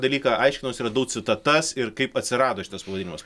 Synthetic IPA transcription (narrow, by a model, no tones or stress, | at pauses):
d̪ɐlʲiːkɑʔɐɪʃkʲɪnɐmoːsiːɾɐd̪ɐʊksʲɪt̪ɐt̪ɐsɪɾkɐɪpɐt̪ʲsʲɪɾɑːd̪oːʃʲɪt̪ɐspɐʋɐd̪ʲɪnʲɪmɐs